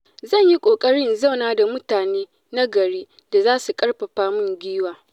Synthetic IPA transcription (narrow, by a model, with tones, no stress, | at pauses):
zɐ˦˨ɲji˦kʷʼoː˨kʼɐ˦ɽɪ˦nza˦˨wnaː˦da˨mʊ˦taː˨neː˦ | na˦ɡɐ˨ɽiː˦ | da˨zaː˦su˨kʼɐ˦ɽɸɐ˨ɸaː˦mʊ˦ŋɡʲiː˦waː˨